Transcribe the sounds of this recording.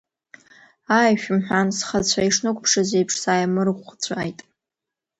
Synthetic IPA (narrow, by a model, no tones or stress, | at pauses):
aːjʃᶣmħᶣʷansχat͡ɕʷʰaiʂnɨkʷʼpʰʂazejpʰʂsaːjamɨrχʷt͡ɕʷʰaːjtʼ